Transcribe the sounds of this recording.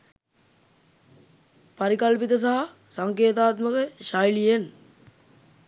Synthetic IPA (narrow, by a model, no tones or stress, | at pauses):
paɾikɐlpit̪əs̬aɦa | saŋkeːt̪aːt̪məkəʃajlijen